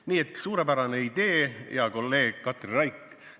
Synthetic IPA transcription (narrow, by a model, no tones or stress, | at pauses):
niːet̪suːɾe̞pæɾɑne̞id̪e̞ːjɑko̞lːe̞ːɡ̥kɑt̪rrɑjkː